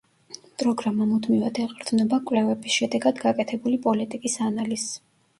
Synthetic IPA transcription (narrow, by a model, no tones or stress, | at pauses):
pʼɾɔɡɾamamud̪mivad̪ɛqʼɾd̪vnɛbakʼwvlɛvɛbisʃɛd̪ɛɡad̪ɡakʼɛt̪ʰɛbulipʼɔlit̪ʼikʼisanaliz̥